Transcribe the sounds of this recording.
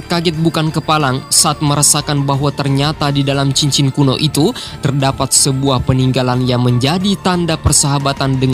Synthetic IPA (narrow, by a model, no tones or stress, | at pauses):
kaɡɛt̪̚bukankəpalaŋsaʔːt̪̚məɾasakanbaɦwat̪ərɲat̪adidalamt͡ʃiɲt͡ʃɪnkuno̰ʔit̪ut̪ərdapat̪̚səbuahpəniŋɡalanjaŋməɲd͡ʒadit̪andapərsəɦabat̪andəŋ